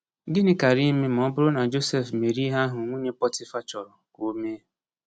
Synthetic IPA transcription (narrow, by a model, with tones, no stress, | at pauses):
ɡɪ˦nɪ˨˦ka˨ɾi˦me˦m̩˨ɔ˦bʊ˦ɾʊ˦na˨d͡ʒo˦sɛ˦fme˨ɾi˦ɦa˦ɦʊ˨ŋʷo˦ɲe˦pɔ˦tɪ˦fa˦t͡ʃɔ˨ɾɔ˨ko˦me˦